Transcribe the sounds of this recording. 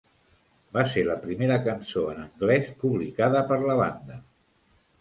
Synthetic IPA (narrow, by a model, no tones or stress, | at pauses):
baseləpɾimeɾəkənsoənəŋɡlɛspuβlikaðəpəɾləβand̪ə